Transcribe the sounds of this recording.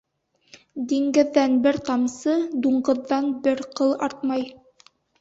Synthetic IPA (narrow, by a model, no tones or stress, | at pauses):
d̪iŋɡɘ̆ðːænbɘɾt̪ɑmsɤd̪uɴɢɤ̆ðːɑnbɘɾqɤlˠɑɾt̪̚mɑj